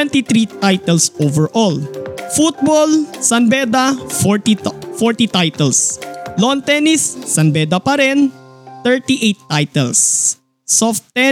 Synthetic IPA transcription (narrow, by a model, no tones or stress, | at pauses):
ɛnt̪it̪ɾit̪ajt̪ɛlsʔovɛɹʔɔlfut̪̚bolsɐnbɛd̪afɔɹt̪ifɔɹt̪it̪ajt̪ɛlslɔnt̪ɛnisːɐnbɛd̪ɐpɐɾɛnt̪ɛɹt̪iʔejt̪ːajt̪ɛlsː | ɔft̪ɛ